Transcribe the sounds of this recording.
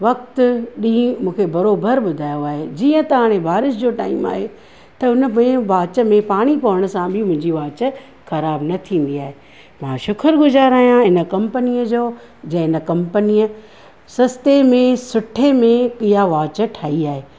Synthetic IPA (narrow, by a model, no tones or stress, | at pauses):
ʋɐk̚t̪ɗĩːmũːkʰebɐɾoːbəɾɓʊd̪ʱaːjoaːɦed͡ʑiːə̃t̪ɐɦaːɽ̃ebʱaːɾɪʃd͡ʑoːʈa̰ːima̰ːɦe | t̪ɐʊnəmẽʋaːt͡ɕə̆mẽpaːɽ̃ipɐʋəɽ̃ʊ̆sãbʱɪmʊ̃ɦɪ̃ɲd͡ʑiʋaːt͡ɕə̆ | xɐɾaːbnɐt̪ʰĩːn̆d̪iaːɦe | mãːʃʊkʰəɾɡʊzaːɾaːijãɪnə̆kɐ̃mpənijəd͡ʑoː | d͡ʑɐ̃ɪnə̆kɐ̃mpənijə | sɐst̪emẽsʊʈʰemẽkijaʋaːt͡ɕəʈʰaːiaːɦeː